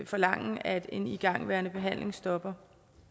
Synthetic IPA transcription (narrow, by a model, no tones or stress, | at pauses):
fɒ̽lɑ̈ŋ̰æd̥e̝niɡ̥ɑ̈ŋ̰ʋæɐnəb̥e̝ɦæn̰le̝ŋsd̥ɒ̽b̥ɐ